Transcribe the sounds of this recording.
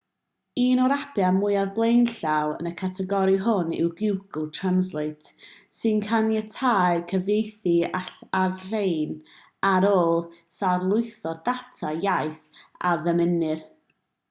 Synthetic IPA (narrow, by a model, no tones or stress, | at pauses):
iːnɔɾapʰjamʊɨaðblˠejnɬawə̰nəkʰatʰɛɡɔɾiɦʊnɪ̰wɡɪwɡəl̩ˠtʰranslˠeɨtʰsɨnkʰanjətʰaːɨkʰəvejθiarɬejn | aɾoːlˠsarlˠʊɨθɔdatʰajaɨθaðəmɪnɨr